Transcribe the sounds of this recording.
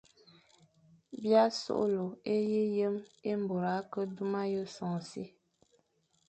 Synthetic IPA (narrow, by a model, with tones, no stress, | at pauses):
bja˦so̰˦ʔlo˨e˦ji˦jə˦me˦m̩˨bo˨ɾa˨˦kə˦du˦ma˦jə˦sɔ̃˨si˦